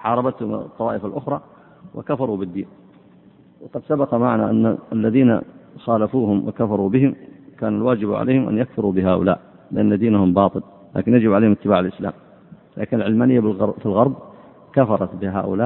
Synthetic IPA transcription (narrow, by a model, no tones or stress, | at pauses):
ħɑːɾˤɑbat̪hʊm̰t̪ˤːɑwɑːʔɪfalʔʊxɾˤɑː | wɪ̰kafɑɾˤubɪd̪ːiːn | wɑqɑd̪sabɑqɑmaʕna̰ʔanːa̰alːaðiːna̰xaːlafuːhʊmwɪ̰kafɑɾˤubɪhɪmkaːnalwaːd͡ʒɪbʕa̰lʔḛjːhɪmʔa̰njakfʊɾubɪɦaːʔʊ̰la̰ːʔ | lɪʔanːad̪iːnahʊmbɑːt̪ˤɨl | la̰ːkɪnjad͡ʒɪbʕaleːhmɪt̪ːɪbaːʕalʔɪsla̰ːm | lʔa̰ːkɪnalʕɪlmaːnɪjːafɪlɣɑɾˤb̚ | kafɑɾˤɑt̪bɪɦa̰ːʔʊ̰laːʔ